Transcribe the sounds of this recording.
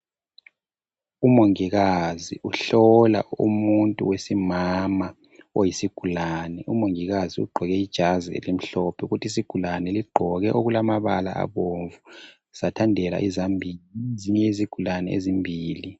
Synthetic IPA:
umoŋiɣaziuɬɔla̰ṵmuntʼṵwesimama | ojisiɡ̥ʱulaːnɛumoŋiɣaziṵɡ͡ǃʱɔɣɛid̥ʒ̥ʱaziḛlim̩ɬɔpʰɛuɣutʰis̬iɡ̥ʱulanɛliɡ͡ǃʱɔɣɛʔoɣulamaβala̰ʔa̰βoɱvu | z̥atʰandʱɛla̰ʔizambʱiziɲɛiziɡ̥ʱulanɛezimbʱiːli

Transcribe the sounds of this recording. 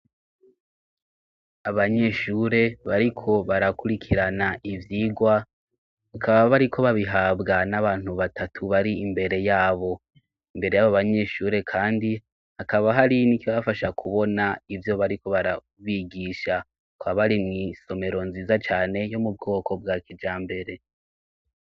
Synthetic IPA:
aβaɲe̞ʃuɾe̞βaɾikʰo̞βaɾakuɾikʰiɾanaʔivjiɡwa | akʰaβaβaɾikʰo̞βaβiɦaːbɡanaβaːn̥huβatʰatʰuβaɾiimbe̞ɾe̞jaːβo̞ | imbe̞ɾe̞jaβoβaɲe̞ʃuːɾe̞kʰaːndi | hakaβaɦaɾinikiβaafaʃakʰuβo̞naivjo̞βaɾiko̞βaɾa | βiɡiʃa | kaβaɾimŋiːso̞me̞ɾo̞nziːzat͡ʃaːne̞jo̞mub̚ɡo̞ːko̞b̚ɡaːkid͡ʒaːmbe̞ɾe̞

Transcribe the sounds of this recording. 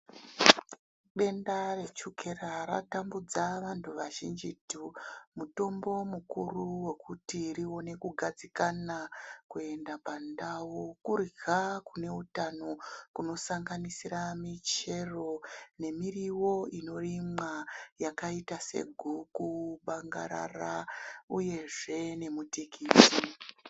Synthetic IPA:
ɓe̞ndare̞t͡ʃukʰe̞raɾa̰tambud͡zaʋantʰuʋaʒḭnd͡ʒitumuto̞mbo̞mukuruwe̞kutirio̞ne̞kuɡʱad͡zikanakue̞ndapandawokuriɡʱakune̞utano̞kuno̞saŋɡanisiɾamit͡ʃe̞ro̞ne̞miriwo̞ino̞rimajakaitase̞̰ɡʱukuɓaŋɡa̰ɾa̰rauje̞ʐe̞ne̞mutikiːti

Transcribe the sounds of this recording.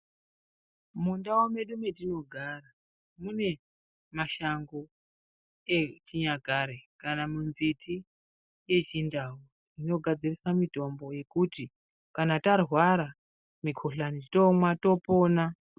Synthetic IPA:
mundawome̞ɗume̞tino̞ɡʱara | mune̞ | maʃaŋɡo̞ | et͡ʃiɲaɡʱaɾekanamunzitʰi | je̞t͡ʃindau | ino̞ɡʱad͡zirisamito̞mbo̞je̞kuti | kanatarwaɾa | mikʰoɬanit͡ʃitomwato̞po̞ːna

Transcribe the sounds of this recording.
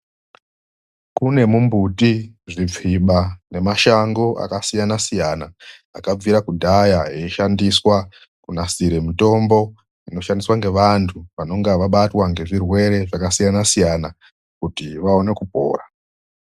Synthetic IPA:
kune̞mumbutiʐib͡vʱiɓane̞maʃaŋɡo̞ʔa̰kasijanasijana̰ː | kab͡viɾakudʱajaɦeiʃandiswa | kunasiɾe̞mito̞mbo̞ | ino̞ʃandiswaŋɡe̞ʋantʰuʋano̞ŋɡaʋaɓatwaŋɡe̞ʐirwe̞ɾe̞ʐakasijanasijana | kutiʋao̞ne̞kupo̞̰ːra

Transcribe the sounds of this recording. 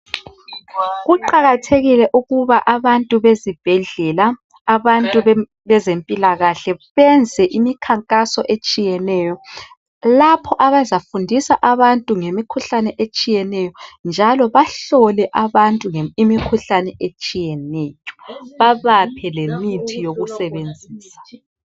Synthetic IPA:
ɣuǃaɣatʰeɣilɛʔuɣuβaʔaβantʼuβezib̥ʱɛɮɛlaː | βantʼu | βɛzempʼilaɣaɬɛβɛnd͡zʱɛʔimikʰaŋkʼasɔʔet͡ʃʼijɛnɛjɔ | lapʰɔʔaβazafundʱisaʔaβantʼuŋemikʰuɬanɛʔet͡ʃʼijɛnɛjɔnd͡ʒʱalɔβaɬɔlɛʔaβantʼuŋeimikʰuɬanɛʔet͡ʃʼijɛnɛjɔ̥βaβapʰɛlemitʰijoɣusɛβend͡zʱiːsḁ

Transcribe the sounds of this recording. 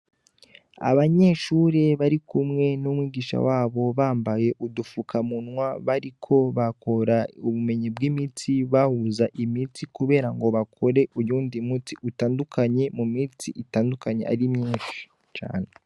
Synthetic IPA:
a̰βaɲe̞ʃuːɾe̞βaɾikumŋe̞numwiːɡiʃa̰waːβo̞βaːmbaje̞ʔudufukʰamunwaβaɾikʰo̞βakʰo̞ɾauβume̞ɲibɡimitiβahuzaʔimitikuβe̞ːɾaŋɡo̞βakʰo̞ɾe̞ʔujuːndimutiʔutaːndukʰaɲe̞mumitiʔitaːndukaɲe̞̰ʔa̰ɾimɲiːnʃi̥ | t͡ʃa̰ːne̞

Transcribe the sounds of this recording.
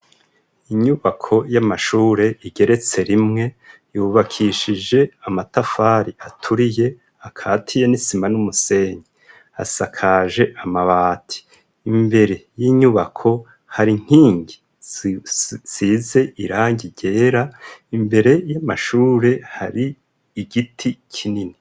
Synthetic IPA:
iɲuβakʰo̞jamaʃuːɾe̞iɟe̞ɾe̞t͡se̞ɾimŋe̞juːβakʰiʃid͡ʒe̞amatafaːɾiʔatʰuɾije̞ | akʰaːtʰije̞nisimanumuse̞ɲi | a̰sakʰaʒe̞ʔamaβaːtʰi̥ː | mbe̞ɾe̞jiːɲuβa̰kʰo̞ | haɾiŋ̥hiːɲɡi | z̥iːze̞ʔiɾaːɲiɟe̞ːɾaimbe̞ɾe̞jamaʃuːɾe̞haɾiː | ɡitʰikʰinini

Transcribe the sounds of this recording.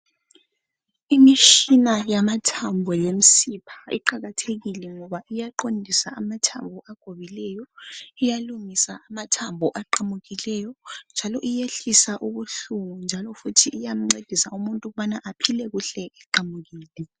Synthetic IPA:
imiʃinajamatʰambʱɔjem̩sipʰḁḭǃaɣatʰeɣilɛŋɔβaʔijaǃondʱisaamatʰa̰mbʱɔʔaɡ̥ʱoβilɛjɔijalumisaamatʰambʱɔʔaǃamuɣilɛjɔnd͡ʒʱalɔʔijeɬisaʔuβuɬuɣund͡ʒʱalɔfutʰiʔːjam̩ŋ͡ǀed̥ʱisaumuntʼuɣuβanaʔapʰilɛɣuɬɛɛǃamuɣiːlɛ

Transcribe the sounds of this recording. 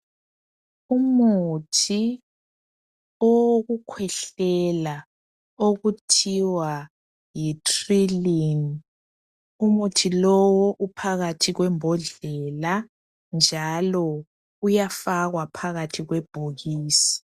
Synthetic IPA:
umutʰi | oɣukʰwɛɬɛla | oɣutʰiwa | jitʰʼrilin | umutʰilɔwɔʔupʰaɣatʰiɣwɛmbʱɔɮɛla | nd͡ʒʱalɔ | ujafaɣwapʰaɣatʰiɣwɛb̥ʱoɣiːsi̥

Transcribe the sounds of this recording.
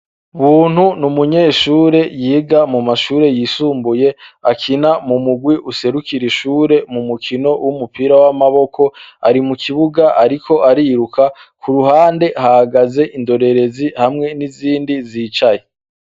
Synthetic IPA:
βuːn̥hunumuɲe̞ːʃuːɾe̞jiːɡamumaʃuːɾe̞jiːsuːmbuje̞akʰinamumuɡwiʔuse̞ɾukiɾiʃuːɾe̞mumukʰino̞wumupiːɾawamaβo̞kʰo̞a̰ɾimukʰiβuɡaʔaɾikʰo̞ʔaɾiːɾukʰakʰuɾuɦaːnde̞hahaɡaze̞ʔindo̞ɾe̞ɾe̞zihamŋe̞niziːndizit͡ʃaje

